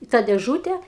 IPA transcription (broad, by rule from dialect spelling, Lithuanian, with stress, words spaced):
ɪ tɑː dʲeːˈʒuːtʲɛ